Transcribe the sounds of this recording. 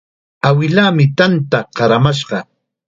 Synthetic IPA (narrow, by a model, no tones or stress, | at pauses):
awɪlaːmɪt̪ant̪aqɑɾamaʃɢɑ